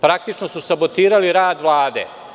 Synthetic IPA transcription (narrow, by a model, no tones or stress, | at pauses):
pɾak̚t̪it͡ʃnosusabot̪iːɾaliɾaːd̪ʋlˠaːd̪ḛː